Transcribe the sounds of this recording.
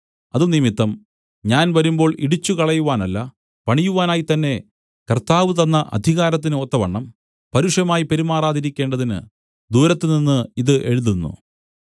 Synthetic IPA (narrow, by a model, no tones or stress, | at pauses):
ɐðɨnimit̪ːɐm | ɲaːnʋɐɾumbo̞ːɭiɽit͡ɕːukɐɭɐjuʋaːnɐlːɐ | pɐɳijuʋaːnaːjit̪ɐnːe̞ | kɐrt̪aːʋɨt̪̬ɐnːɐʔɐ̰d̪ʱiɣaːɾɐt̪̬ːinɨot̪ːɐʋɐɳːɐm | pɐɾuʂjɐmaːjipe̞ɾumaːraːd̪iɾikʲːe̞ːɳɖɐðinɨ̰ | d̪uːɾɐt̪ːeninːɨiðɨʔe̞ɻuðunːṵ